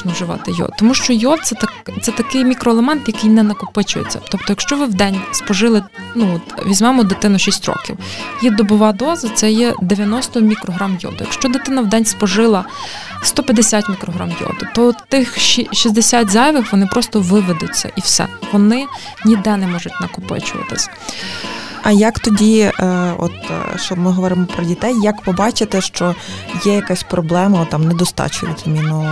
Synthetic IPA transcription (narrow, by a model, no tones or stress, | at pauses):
nɔwʒɪʋɑ̰t̪ɪjɔ̰d̪̚t̪ɔmuʃt͡ʃɔjɔt̪̚sɛt̪ɐkt̪sɛt̪ɐkɪjmʲikɾɔelˠemɛnt̪jɐkɪjnɛnɐkʊpɪt͡ʃʊjḛt͡sʲːɐ̰t̪ɔp̚t̪ɔjɐkʃt͡ʃɔʋɪwd̪ɛnʲspɔʒɪlˠɪ | nuɔt̪ʋʲizʲmɛmʊd̪ɪt̪ɪnʊʃʲisʲtʲɾɔ̰kʲḭwjid̪ɔbʊʋɑd̪ɔzɐt̪sɛjɛd̪eʋʲjɐnɔst̪ɔmʲikɾɔɦɾamjɔ̰d̪ʊjɐ̰kʃt͡ʃɔd̪ɪt̪ɪnɐwd̪ɛnʲspɔʒɪlˠɐ | st̪ɔpʲjɐd̪esʲat̪ʲmʲikɾɔɦɾa̰mjɔ̰d̪ʊt̪ɔt̪ɪxʃiʃizd̪esʲatʲzɑjʋɪxʋɔnɪpɾʔɔst̪ɔʋɪʋed̪ʊtʲːɐ̰ʔiwsɛ̰ʋɔnɪ | nʲid̪ɛnɛmɔʒʊtʲnɐkʊpɪ̰t͡ʃʊʋɐ̰t̪ɪ̰sʲ | ɐjɐkt̪ɔdʲiɔ̰t̪ʃt͡ʃɔbmɪɦɔʋɔɾɪmɔpɾɔdʲit̪ɛjːɐkpɔbɑt͡ʃɪt̪ɛʃt͡ʃɔjɛjɐkasʲpɾɔblˠɛmɐt̪ːɑmnɛd̪ɔst̪ɑ̰t͡ʃʊj̰ʲt̪ʲmʲinʊ